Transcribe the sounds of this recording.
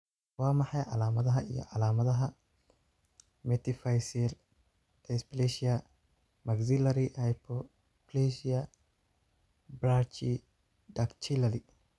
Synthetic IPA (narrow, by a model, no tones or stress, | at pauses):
waːmɐħɐjʕa̰laːmɐd̪ɐɦɐɪ̰jɔ̰ʕalaːmɐd̪ɐɦɐ | mɛt̪ɪfajsɛɾ | ɛspleʃɪjɐ | mɐɡzɪlɐɾihɐjpʰːɔ | pleʃɪɐ | bɾaːt͡ʃi | d̪ɐkt͡ʃilɐɾi